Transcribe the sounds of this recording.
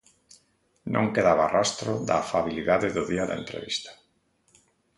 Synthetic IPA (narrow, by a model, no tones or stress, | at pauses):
nʔõ̰ŋkeðaβarast̪ɾʊðaːfaβiliðaðeðʊðiaða̰ḛnt̪ɾḛβist̪ḁ